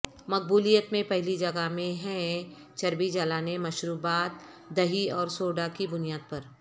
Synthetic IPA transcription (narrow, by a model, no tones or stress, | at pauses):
mɐk̚buːlijət̪mẽpɛɦlid͡ʒɐɡamẽɦɛ̃ | t͡ʃɐɾbid͡ʒaːlaːnemɐʃɾuːbaːt̪̚ | d̪ɐɦiɔːɾsoːɖakibʊnijaːd̪̚pɐɾ